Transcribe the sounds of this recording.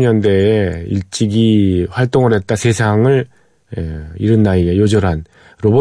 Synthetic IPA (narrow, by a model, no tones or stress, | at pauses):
ɲʌnde̞ːḭɭt͡ɕ͈iɡiɸwaɭt͈oŋɯɾɦe̞t̚t͈asʰe̞sʰaŋɯɭ | eiɾɯnːaiejod͡ʑʌɾɦan | ɾobo